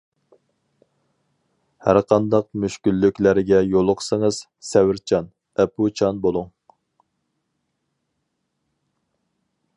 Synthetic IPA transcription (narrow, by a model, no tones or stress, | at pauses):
hæɾqʰɑnd̪ɑq̚myʃkʲylːykʲlæɾɪɡʲɛjolˠʊqʰsəŋəz̥ | sɛwɪɾt͡ʃʰɑn | ɛpʰut͡ʃʰɑnbolˠuŋ